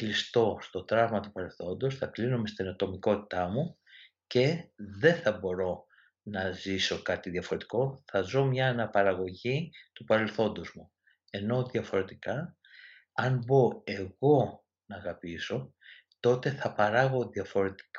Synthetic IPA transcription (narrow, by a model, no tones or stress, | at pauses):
klist̪o̞st̪o̞t̪ɾɐvmɐt̪upɐɾe̞lθo̞nd̪osθɐklinome̞st̪inot̪o̞miko̞t̪i̥t̪ɐmu | ce̞ðe̞θɐbo̞ɾo̞ | nɐziso̞kɐt̪iðjɐfo̞ɾe̞t̪i̥ko̞θɐzo̞mɲɐnɐpɐɾɐɣo̞ʝit̪upɐɾe̞lθo̞nd̪ozmu | e̞no̞ðijɐfo̞ɾe̞t̪ikɐ | ɐnbo̞e̞ɣo̞ | nɐːɣɐpiso̞ | t̪o̞t̪e̞θɐpɐɾɐɣo̞ðiɐfo̞ɾe̞t̪i̥k